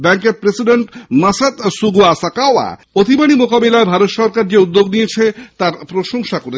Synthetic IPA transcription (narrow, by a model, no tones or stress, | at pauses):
bɛŋkeɾpɾesiɖeɳʈmasat̪suɡuasakaoa̰ | ot̪ibanimokabelaebʱaɾot̪ʃɔɾkaɾd͡ʑeud̪ːoɡnijet͡ɕʰet̪aɾpɾoʃoŋʃakoɾe